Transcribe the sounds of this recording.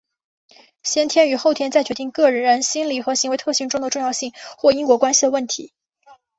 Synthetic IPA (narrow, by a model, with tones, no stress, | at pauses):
ɕjɛ˥nt̪ʰjɛ˥ny˨˩˥xo˥˩ʊt̪ʰjɛ˥nt͡sa˥˩ɪt͡ɕɥɛ˧˥t̪i˥˧ŋkɤ˥˩ɻə˧˥nɻə˧˥nɕi˥nli˨˩xɤ˧˥ɕi˧˥ŋwe˧˥ɪt̪ʰɤ˥˧ɕi˥˩ŋʈ͡ʂʊ˥ŋd̪ə˨ʈ͡ʂʊ˥˧ŋjɑ˥˧ʊɕi˥˩ŋxwɔ˥˩i˥ŋkwɔ˧˥kwa˥nɕi˨˩d̪ə˩wə˥˩nt̪ʰḭ˧˥